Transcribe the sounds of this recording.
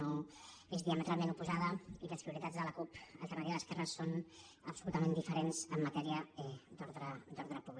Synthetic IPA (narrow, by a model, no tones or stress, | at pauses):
o | ezðiamət̪ɾalˠmenupuzaðəiləspɾiuɾit̪ad̪d͡zðələkupə̰lˠt̪əmaɾiəðəskɛrəsːon | əpsulut̪əmend̪ifəɾenz̥əmːət̪ɛɾiəɛd̪ɔɾðɾəd̪ɔɾðɾəpuβl